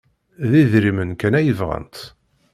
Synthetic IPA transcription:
ðiðɾimənkænæjəvʁə̰nt̪

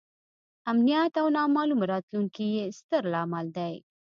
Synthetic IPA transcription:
amnijat̪awnɑmɑlumɾɑt̪luŋkijest̪əɾlɑmald̪aj

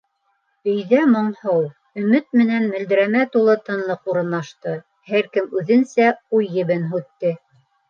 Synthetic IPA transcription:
ɵ̆jðæmŏɴhɤw | ɵ̆mɘt̪̚mɘ̆nænmɵ̆ld̪ɘ̆ɾæmæt̪ulˠɤt̪ɤ̆nlˠɤquɾɤ̆nlːɑʃt̪ɤ | hæɾkɘmʉðɘ̆nsæujːɘ̆βɘnɦʉt̪ːɘ

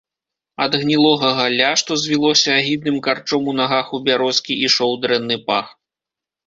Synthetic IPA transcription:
ɐd̪ɣnʲilˠɔɣɐɣalʲaʂt̪ɔzʲvʲilˠɔsʲɐːɣʲid̪̚nɨmkart͡ʂɔmunaɣaxubʲaɾɔskʲiʔiʂɔwd̪ɾɛnːɨpax

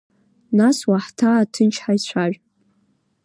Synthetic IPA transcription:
naswaħtʰaːtʰɨnt͡ʃʰħaisʷʰaʒʷᶣ

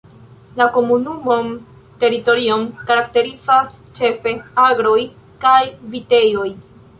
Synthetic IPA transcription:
lako̞munumon | te̞ɾito̞ɾio̞mkaɾakte̞ɾizas | t͡ʃe̞fe̞aɡɾo̞j | kajvite̞jo̞j

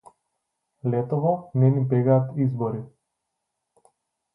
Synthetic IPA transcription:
lɛt̪ɔvɔnɛnipɛɡaːt̪izbɔɾi

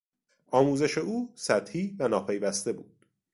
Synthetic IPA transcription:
ʔɒːmuːze̞ʃe̞uːsæt̪hiːvænɒːpʰe̞jvæst̪e̞buːd̪̥

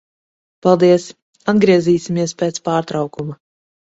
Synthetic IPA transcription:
palˠd̪iɛs | ad̪ɡɾiɛziːsʲimiɛspʲɛːt̪spaːɾt̪ɾawkuma

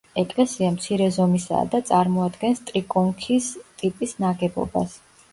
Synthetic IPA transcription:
ɛkʼlɛsiamt̪sʰiɾɛzɔmisa̰ːd̪at̪sʼaɾmɔad̪ɡɛnst̪ʼɾikʼɔŋkʰist̪ʼipʼisnaɡɛbɔ̰ba̰s

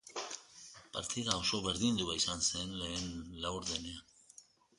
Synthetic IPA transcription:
paɾt̪iðao̞so̞βe̞ɾðind̪uβaisanse̞nle̞ːnlawɾðenean

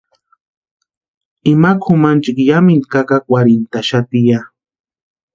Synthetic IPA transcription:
ɪmakxʊmant͡ʃɪkjamɪnkakakwaɾɪnt̪aʃat̪ɪja

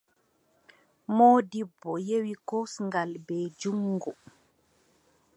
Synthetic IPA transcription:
mɔːdibːɔjewikosŋɡalbɛd͡ʒuŋːɡɔ

